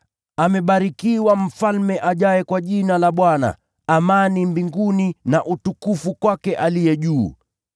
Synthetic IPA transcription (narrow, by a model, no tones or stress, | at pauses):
amɛɓaɾikiwam̩falmɛʔaʄajɛkwaʄinalaɓwana̰ː | manimbiŋɡuninaʔutukufukwakɛʔalijɛʄuː